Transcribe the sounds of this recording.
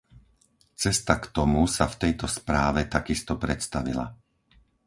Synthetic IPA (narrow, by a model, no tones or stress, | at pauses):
t͡sɛst̪akt̪ɔmusaft̪ɛjt̪ɔspɾaːʋɛt̪akist̪ɔpɾɛt̪st̪aʋḭla̰